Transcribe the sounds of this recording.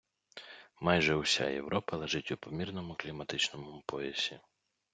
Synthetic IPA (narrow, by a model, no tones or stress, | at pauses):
mɑjʒɛʊsʲa̰jḛʋɾʔɔpɐlˠeʒɪtʲupɔmʲirnɔmʊklʲimɐt̪ɪt͡ʃnɔmʊpʰɔjɛsʲi